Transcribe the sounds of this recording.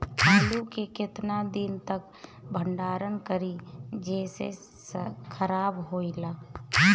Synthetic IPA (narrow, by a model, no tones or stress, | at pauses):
aːlukekɪt̪nad̪ɪnt̪ək | bʱəɳɖaːɾənkəɾid͡ʒɛːsḛ | skʰəɾaːbɦoːilaː